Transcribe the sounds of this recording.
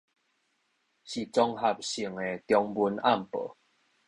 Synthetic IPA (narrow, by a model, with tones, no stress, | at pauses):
ɕi˨˩t͡sɔ˧ŋɦa˨˩p̚ɕi˨˩əŋe˨t̪jɔ˧ŋbu˧˦na˥˨mpə̰˨˦